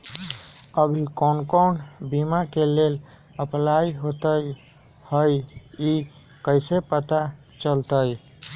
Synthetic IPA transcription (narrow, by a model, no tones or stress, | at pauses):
əbʱikonkonbimakelel | əplaiɦot̪əj | həji | kəɪsepət̪a | t͡ʃəlt̪əj